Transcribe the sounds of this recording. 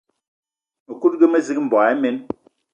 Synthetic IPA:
mə˨ku˦t̚ɡə˦me˦zi˦k̚m̩˨bɔ˨a˨e˦me˦n

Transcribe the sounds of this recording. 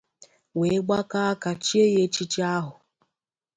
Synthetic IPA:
we˨˦ɡ͡ba˦ka˦a˦ka˨t͡ʃi˦e˦je˦t͡ʃi˦t͡ʃi˦a˦ɦʊ˨

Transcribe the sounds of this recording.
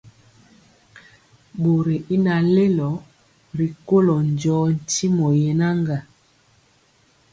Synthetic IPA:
bo˨ɾe˨ʔi˦na˨le˦lɔ˨˦ | ɾi˨ko˦lɔ˨n˨d͡ʒɔː˨˦n̩˨ti˦mɔ˨je˨na˦ŋɡa˨

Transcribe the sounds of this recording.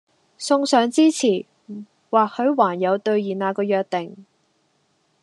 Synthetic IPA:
sʊ˧ŋsœː˨˧ŋt͡siː˥t͡sʰiː˨˩ | waː˨k̚hɵ˨˧ɥwaː˨˩njɐ˨˧wt̪ɵ˧ɥjiː˨˩naː˨˧kɔː˧jœː˧k̚t̪ɪ˨ŋ

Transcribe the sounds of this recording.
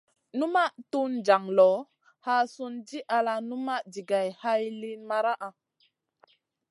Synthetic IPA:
nu˦ma˦ʔtu˦nd͡ʒa˨ŋlɔ˨˦ | ha˦su˦nd͡ʒi˦ʔa˧la˧nu˦ma˦ʔd͡ʒi˨ɡa˨jha˦jli˦nma˦ɾa˦ʔa˨

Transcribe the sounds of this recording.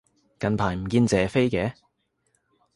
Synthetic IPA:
kɐ˨npʰaː˨˩jm̩˨˩kiː˧nt͡sɛː˨˩fe˥jkɛː˨˥

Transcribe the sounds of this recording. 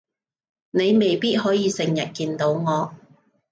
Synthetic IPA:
ne˨˧jme˨˩jpiː˥t̚hɔː˨˥jiː˨˧sɪ˨ŋjɐ˨t̚kiː˧nt̪o˨˥wŋɔː˨˧

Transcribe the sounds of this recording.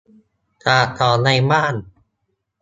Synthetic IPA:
t̪ʰaː˧˩t̪ʰɔː˨˩˦na˧jmaː˥˩˨n

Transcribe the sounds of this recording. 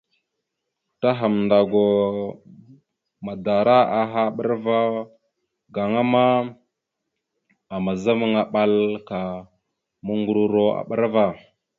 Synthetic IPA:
ta˦ɦa˨mnda˨ɡo˨ | ma˨da˨ɾa˦a˨ɦa˦˨ɓə˦ɾva˦ | ɡa˨ŋa˦ma˦ | a˨ma˨za˦mə˦ŋa˨ɓa˦lka˨ | mu˦ŋɡu˦ɾu˦ɾo˦a̰˨ɓə˦ɾva˦˨

